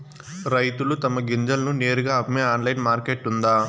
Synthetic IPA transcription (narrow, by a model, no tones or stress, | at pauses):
ɾɐjt̪ulut̪ɐmɐɡiɲd͡ʒɐlɐnuneːɾuɡaːɐpmeːaːnlɐjnmaːɾkeːʈːund̪aː